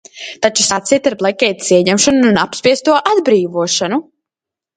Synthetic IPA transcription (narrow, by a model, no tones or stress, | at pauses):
t̪at͡ʃu̥sat̪siːt̪aɾblˠɛkʲɛjt̪siɛɲɛmʃɔnuunapspʲiɛst̪uɔʔad̪bɾiːvuɔʃanu